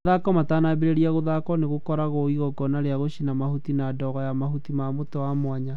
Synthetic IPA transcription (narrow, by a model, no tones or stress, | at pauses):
akɔmatanabeɾeɾiaɣoðakɔneɣokɔɾaɣoiɣɔɡɔnaɾeaɣoɕinamahutinadɔɣɔjamahutimamotɔwamwaɲa